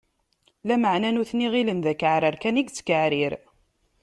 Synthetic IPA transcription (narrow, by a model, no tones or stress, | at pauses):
læməʕnænʊθniʁilənðækəʕɾəɾkæniɡt͡sːə̥kəʕɾiɾ